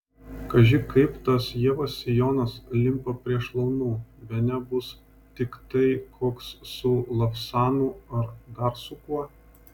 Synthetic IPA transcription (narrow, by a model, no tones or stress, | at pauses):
kɐʒʲɪkɐɪpt̪ɐsjiɛʋɐsʲɪjoːnɐslʲɪmpɐpʲɾʲiɛʃlˠɒʊnuːbʲɛnʲɛbʊs | t̪ʲɪkt̪ɐɪkʰoːkssʊlˠɐfsɑːnuːɐɾd̪ɐɾsʊkuɔ